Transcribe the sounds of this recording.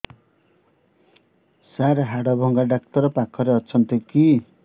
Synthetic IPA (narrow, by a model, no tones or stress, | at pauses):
saɾɦaɽʌbʱʌŋɡaɖakt̪ʌɾʌpakʰːʌɾeʌt͡sʰʌnt̪oki